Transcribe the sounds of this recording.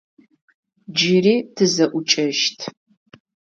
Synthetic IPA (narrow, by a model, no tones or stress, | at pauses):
d͡ʒiriːtʰɨzɐʔʷʊt͡ʃʼɐʃtʰ